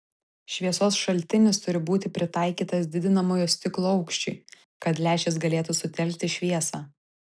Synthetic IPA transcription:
ʃʲʋʲiɛsoːsʃɐlʲt̪ʲɪnʲɪst̪ʊɾʲɪbuːt̪ʲɪpʲɾʲɪt̪ɑˑɪkʲiːt̪ɐsd̪ʲɪd̪ʲɪnɐmoːjoːsʲt̪ʲɪklˠoːɒʊkʃʲt͡ʃʲʊ̰ɪ | kɐt̪lʲæːʃʲes̬ɡɐlʲeːt̪usʊt̪ʲɛlʲkt̪ʲɪʃʲʋʲiɛsɑː

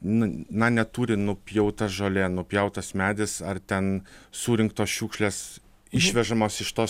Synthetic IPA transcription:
nʊnɐnʲɛt̪uːɾʲɪnʊpʲjɛʊt̪ɐsʒoːlʲeːnʊpʲjɛʊt̪ɐsmʲæːd̪ʲɪsɐrt̪ʲɛnsuːɾʲɪŋk̚t̪oːsʃʲuːkʃʲlʲeːs | ɪʃʲʋʲɛʒɐmoːsɪʃt̪oːs

